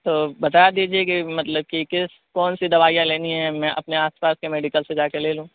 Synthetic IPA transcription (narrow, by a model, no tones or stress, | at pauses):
t̪oːbɐt̪aːjad̪iːd͡ʒiekimɐt̪ləb̚kikɪs | kɔːnsid̪ɐʋaːjãleːniɦɛmɛ̃ʔɐ̰pneaːspaːskemɛːɖɪkəlsed͡ʒaːkeleːlũː